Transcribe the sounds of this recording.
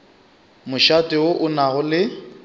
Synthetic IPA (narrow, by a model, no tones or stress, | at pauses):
mʊʃatʼɪʊʔʊnaɣʊlɪ